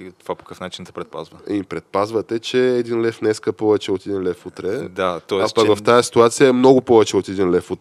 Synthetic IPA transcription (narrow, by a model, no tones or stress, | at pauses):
t̪ovapo̥kəfnat͡ʃint̪ɛ̥pɾɛt̪̚pa̰zvəpɾɛt̪̚pazvət̪ɛt͡ʃɛːd̪inlɛfnɛskəpɔvɛt͡ʃɛot̪ɛd̪inlɛfut̪ɾɛd̪at̪ɔɛapɐkvɐft̪ajɐsi̥t̪uat̪sijəɛmnɔɡʊpɔvɛt͡ʃɛot̪ɛd̪inlɛfut̪